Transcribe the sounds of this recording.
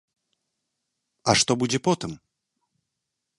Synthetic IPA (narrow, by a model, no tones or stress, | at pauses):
ɐʂt̪ɔbud͡zʲɛpɔt̪ɨm